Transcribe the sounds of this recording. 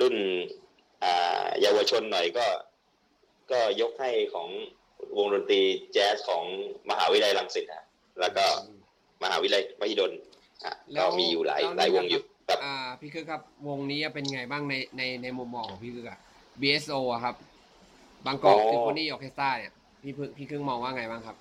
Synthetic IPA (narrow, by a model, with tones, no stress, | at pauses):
lu˥˩n | ʔaː˨˩jaː˧wa˧t͡ɕʰo˧nːɔ˨˩jkɔː˥˩ | kɔː˥˩jo˦˥k̚ha˥˩jkʰɔː˩˦ŋ | wo˧ŋdo˧nt̪ɾiː˧t͡ɕɛː˦˥skʰɔː˩˦ŋma˧ɦa̰ː˩˦wi˦˥la˧jla˨˧ŋsi˨˩t̪̚ʰa˦˥ | lɛː˦˥wkɔː˥˩ | ma˧haː˩˦wi˦˥la˧jma˧˥i˧˩do˧n | kʰa̰˧˩lkɔː˥˩miː˧juː˨˩la̰ː˩˦jla̰ː˨˦jwo˧ŋjuː˨˩kʰa˦˥ʔaː˨˩pʰiː˥˩kʰɯ˦˥kʰa˦˥p̚wo˧ŋniː˦˥a˧˩pe˧n˧ŋa˧jbaː˥˩ŋna˧jna˧jna˧jmu˧mːɔː˧ŋkʰɔː˩˦pʰi˥˩kʰɯ˦˥ka˧˩ | biː˧ʔe˦˥sʔoː˧ʔa˨˩kʰa˦˥p̚ | baː˧ŋkɔː˨˩˧e˧˩pɔː˧˥˩nːiː˥˩joː˨˩kʰeː˦˥st̪aː˥˩ni˨˥˩ɐ | pʰiː˥˩pʰɯ˥˩ŋpʰiː˥˩kʰɯ˥˩ŋmɔː˧ŋwaː˥˩ŋa˧jbaː˥˩ŋkʰa˦˥p̚